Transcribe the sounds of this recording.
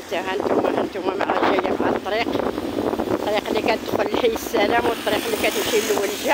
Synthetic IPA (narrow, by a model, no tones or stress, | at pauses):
t̪æhænt̪umæhænt̪umæmæ̰ʔæʒæjːææt̪ˤːɾiq | t̪ːˤɾiqlːikæt̪əd̪xʊllħijəsːælæmwət̪ˤːɑɾiqlːikæt̪ʃilːuwəlʒæ